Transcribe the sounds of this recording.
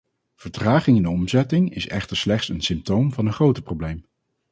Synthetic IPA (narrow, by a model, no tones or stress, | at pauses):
v̥əɹtraːχɪŋɪndəɔmzɛtɪŋɪ̰sɛ̰χtəɹslɛχtsənsɪmp̚towmvɑnəχrowtəprowblejm